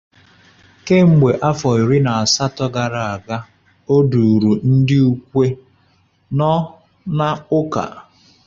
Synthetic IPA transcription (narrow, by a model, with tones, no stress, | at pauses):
ke˦ŋ͡m̩˨ɡ͡be˨ʔa˦fɔ˨i˨ɾɪ˦na˨a˨sa˦tɔ˦ɡa˨ɾa˨a˨ɡa˦ | o˦du˨ɾu˨n̩˦dɪ˦u˦kʷe˦ | nɔ˦ | na˦ʊ˦ka̰˨